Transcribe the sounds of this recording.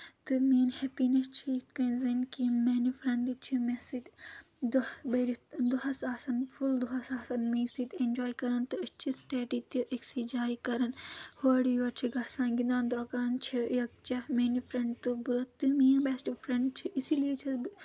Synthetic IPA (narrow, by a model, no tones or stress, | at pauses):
t̪ɨmiːnhɛpinɐst͡ʃʰikɐ̃nzɐnkimenifɾɐ̃ɳɖit͡ʃʰimesit̪ | d̪beɾid̪uɦɐsaːsɐnfuld̪uɦɐsaːsɐnmiːsit̪ʲend͡ʒoːikɐɾɐnt̪ɨɐt͡ʃʰisʈeːʈit̪iʔeksid͡ʒaːikɐɾɐnhoɽijɐɾt͡ʃʰiɡɐsãːnɡind̪ãːnd̪ɾokaːnt͡ʃʰijɐk̚t͡ʃɐmeːnifɾɐ̃ɳɖt̪ɨbɨt̪ɨmĩːnbesʈfɾɐɳɖt͡ʃʰiʔisiliet͡ʃʰi